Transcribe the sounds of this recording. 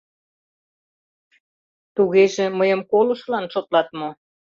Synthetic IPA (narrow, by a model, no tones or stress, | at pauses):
t̪uɣeʒeməjəmkolə̆ʃlɑnʃot̪lɑt̪mo